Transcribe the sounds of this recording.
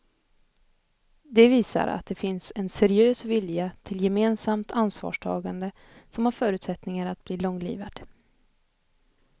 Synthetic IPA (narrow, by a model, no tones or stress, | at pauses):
d̪ɛviːsa̰ɾa̰t̪̚d̪ɛfɪnsɛnsɛɾɪøːsvɪljat̪ʰɪljɛmeːnsamt̪ʰansvɑ̰ːʂʈʰɑ̰ːɡand̪ə | sɔmhaɾfœːɾʉ̟t̪sɛt̪nɪŋaɾat̪̚bliːlɔŋːlḭːvad̪̥